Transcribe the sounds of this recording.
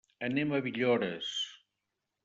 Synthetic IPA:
əneməβiʎoɾəs

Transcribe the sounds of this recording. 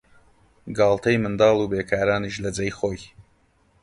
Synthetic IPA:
ɡɑːlˠt̪ʰɐjmɨnd̪ɑːlˠubeːkʰaːɾaːniʃlɐd͡zɐjχoːj

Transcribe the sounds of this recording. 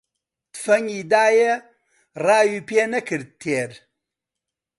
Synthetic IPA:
tfɐŋidaːjɐ | raːjupenɐkʰɨɾtʰːeɾ

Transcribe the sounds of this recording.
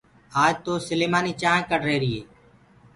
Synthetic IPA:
aːd͡ʒt̪oːsəleːmaːniːt͡ʃaːẽkəʈɾeːɾɪːeː

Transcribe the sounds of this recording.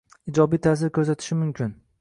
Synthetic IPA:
ɪd͡ʒɒbijt̪ʰas̬ɪɾkʰʲɵzat̪ʰɪ̥ʃɪmʊmkʲʰɪn

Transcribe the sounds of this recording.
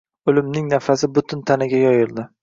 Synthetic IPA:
ʊlɪmnɪŋnafasɪbʊt̪ʰʊnt̪ʰanɪɡʲajɒjɪɾd̪ɪ

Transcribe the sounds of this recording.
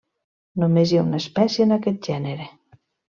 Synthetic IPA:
nomezjaunaespɛsjeenakɛt̪̚ʒ̥ɛneɾe

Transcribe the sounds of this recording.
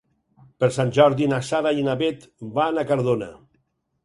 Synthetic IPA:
peɾsanʲʒɔɾðinasaɾainaβet̪banakaɾðona̰

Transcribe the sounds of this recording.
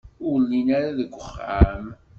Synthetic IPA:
ʊɾlːinaɾaðəɡʷːəχa̰m

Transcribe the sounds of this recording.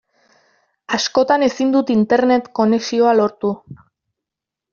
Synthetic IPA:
asko̞t̪ane̞sind̪ut̪int̪e̞ɾne̞t̪ko̞ne̞ksio̞alo̞ɾt̪u

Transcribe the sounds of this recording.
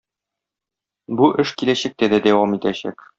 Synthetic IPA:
buʔɘʃkilæɕæk̚t̪æd̪æd̪æwɑmit̪æɕæ̰k

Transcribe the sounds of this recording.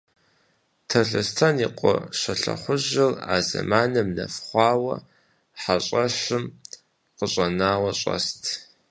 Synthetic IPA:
tʰɐɬɐstʰɐniqʷʼɔɕɐɬɐ̰χʷʊʑɪra̰ːzɐ̰maːnɐmnɐ̰fχʷɑːwɐ̰ | ħaɕʼɐɕɨm | qəɕʼɐnaːwɐɕʼɐ̰stʰ

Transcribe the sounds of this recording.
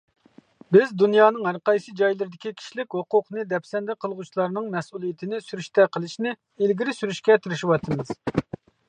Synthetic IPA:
bɪzd̪unjɑːnɨŋɦæɾqɑjsɨd͡ʒɑjlˠɨɾɪd̪ɪkʲikʲʰi̥ʃlɪkʲhoqʊqnɨd̪ɛpsɛnd̪ɛqʰəlˠʁut͡ʃʰilˠɑɾnɨŋmɛsulˠijit̪ʰɪnɪsyɾyʃt̪ʰɛqʰəlˠɨʃnɪ | elɡʲiɾɪsyɾyʃkʲɛt̪ʰyɾɪʃiwɑt̪ʰɨmɨz̥

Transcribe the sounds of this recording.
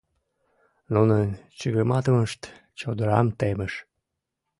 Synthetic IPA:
nunənt͡ɕəɣəmɑt̪əməʃt̪ | t͡ɕod̪əɾɑmt̪eməʃ

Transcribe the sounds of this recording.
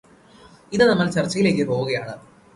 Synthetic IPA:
iðɨnɐmːɐlt͡ɕɐrt͡ɕːɐjile̞ːkːɨpoːɣuɣɐjaːɳɨ

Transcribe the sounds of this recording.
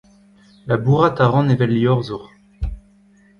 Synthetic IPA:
labuʁat̪aʁɑ̃nevɛlːiɔʁzuʁ

